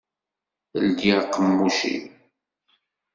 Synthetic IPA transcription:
əld̪iqːəmːuʃḭ

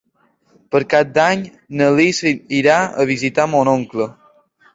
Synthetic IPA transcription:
pəɾkap̚d̪aɲ | nəlisiɾaə̰βizit̪amɔnoŋklə

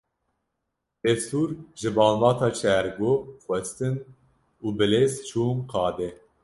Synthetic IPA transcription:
d̪̥ɛfsuːɾʒɨbɑːnvɑːt̪ʰɑːt͡ʃʰɛɾɡoːxʷwɛst̪ɨn | uːbɨleːzt͡ʃʰuːnqɑːd̪ɛ

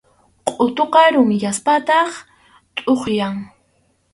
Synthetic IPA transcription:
qʼʊt̪oqɑɾʊmjaspat̪ɑχ | t̪ʼoχjaŋ

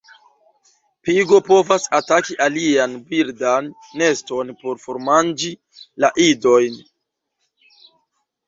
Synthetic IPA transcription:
piɡo̞po̞vasatakiʔalianbiɾdanː | e̞sto̞npo̞ɾfo̞ɾmand͡ʒi | laʔido̞jn

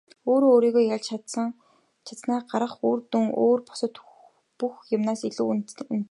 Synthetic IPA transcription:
oːɾoːoːɾiːɣoːjaɮt͡ɕt͡ɕʰat̪sə̆ŋ | t͡ɕʰḁt͡s̪naːɢaɾʁə̆χuːrt̪uŋo̰ːrpʊ̥sə̆t̪ | puxjʊmnaːsiɮuːn

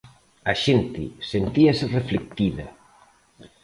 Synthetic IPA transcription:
aʃent̪ɪ̰sent̪iɐsɪreflek̚t̪iðɐ̰

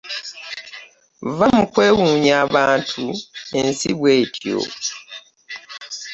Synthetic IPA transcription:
vamukwe̞ːwuːɲaːβaːntʰuensiβweːtʰjo̰

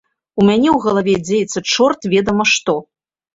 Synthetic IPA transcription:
umʲanʲɛwɣɐlˠavʲɛd͡zʲejɛt̪sːɐt͡ʂɔrt̪vʲɛd̪ɐmɐʂt̪ɔ

